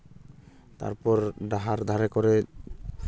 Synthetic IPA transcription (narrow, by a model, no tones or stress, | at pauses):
t̪a̰ɾpɔɾɖaɦaɾd̪ʱaɾɛkɔɾɛ